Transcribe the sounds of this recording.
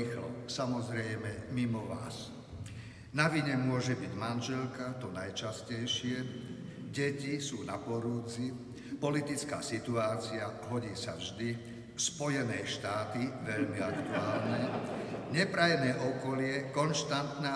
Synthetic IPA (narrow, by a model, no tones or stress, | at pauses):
ixlɔ̰samɔzɾɛjmɛmimɔʋa̰ːs | naʋiɲɛmʊɔʒɛbiɟmanʒɛlkat̪ɔnajt͡ʃascɛjʃɪɛ | ɟɛcisuːnapɔɾuːd͡zi | pɔlit̪it͡ska̰ːsit̪uaːt͡siaɦɔɟiːsavʒd̪i | spɔjɛnɛjʃt̪aːt̪iʋɛʎmiakt̪uaːlnɛɲɛpɾajnɛːʔɔkɔlɪɛkɔnʃt̪ant̪naː